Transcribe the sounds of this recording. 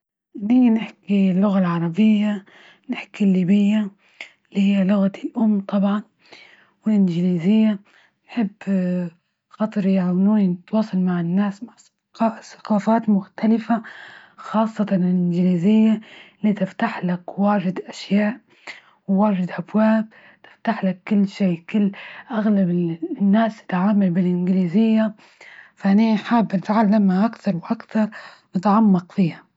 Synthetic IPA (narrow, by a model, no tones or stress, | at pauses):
niːnɪħkilːʊɣalʕɑɾˤɑbɪjːa | nɪħkilːiːbɪjːa | lihɪjːalʊɣat̪iʔʊmːt̪ˤɑbʕɑn | wɪlʔɪnd͡ʒɪniːzɪjːa | nħɪbː | xɑt̪ˤɾjʕawnuːninɪt̪wɑːsˤɑlmaʕɪnːaːsmaʕ | sḁqɑːfaːt̪mʊxt̪alɪfaxɑːsˤːɑt̪ɑnɪlʔɪnɡliːzɪjːalit̪ɪft̪aħlakwaːʒɪd̪ʔaʃjaːʔ | wwaːʒɪd̪ʔabwaːb̚ | t̪ɪ̥ft̪aħlakːʊlːʃeːkʊlːʔaɣlabɪnːaːsɪ̥t̪ʕaːmalbɪlʔɪnɡɪliːzɪjːa | faʔniħaːbːɪnt̪ʕalːamaʔakθɑɾˤwɪʔakθɑɾˤ | nɪt̪ʕamːɑqfiːha